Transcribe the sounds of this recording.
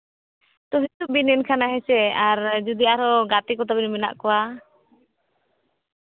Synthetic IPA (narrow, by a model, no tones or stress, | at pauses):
t̪ɔɦit̪ubinɛnkʰanaɦɛsɛaɾd͡ʒud̪iaɾɔɡat̪ikɔt̪̬abinmina̰ʔkɔwa